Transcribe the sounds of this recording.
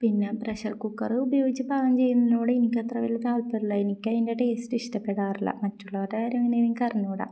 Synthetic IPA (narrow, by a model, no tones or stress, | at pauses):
pinːepreɕɐrkukːɐrubɐjo̞ːɡit͡ɕːɨbaːɡɐmt͡ɕe̞jːunːɐoːɽeenikʲːɐt̪rɐʋilːɐt̪aːlpɐɾiɭːɐenikʲːɐendeʈe̞ːstiʂtɐpːeɽaːriɭːɐ̰mɐtːuɭːɐɐɾaːɾmeŋːɐneiðiɲːkɐrɐɲːuːɽɐ̰